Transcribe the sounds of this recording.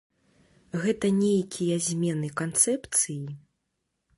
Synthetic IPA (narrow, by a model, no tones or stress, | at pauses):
ɣɛt̪ɐnʲejkʲʰijɐzʲmʲɛnɨkant̪sɛpt̪sɨji